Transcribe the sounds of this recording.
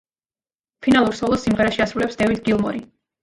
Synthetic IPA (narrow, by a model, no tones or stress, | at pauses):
pʰinalˠuɾsɔlˠɔsimʁɛɾaʃiasɾulɛpsd̪ɛvid̪ɡilˠmɔ̰ɾi